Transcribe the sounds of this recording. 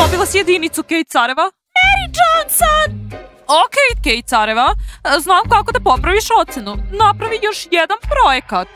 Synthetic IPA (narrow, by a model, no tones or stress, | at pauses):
obilˠasije̞d̪init̪sukejt̪̚saɾeʋa | mɛɾid͡ʒonson | okej̪̚kejt̪t̪saɾeʋaznamkako̞d̪apo̞pɾaʋiʃo̞t̪senunapɾaʋijo̞ʃjed̪anpɾo̞jekat̪̚